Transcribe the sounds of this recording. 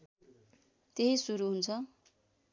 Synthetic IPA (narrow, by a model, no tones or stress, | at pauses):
t̪eɦisuɾuɦunt͡sʰʌ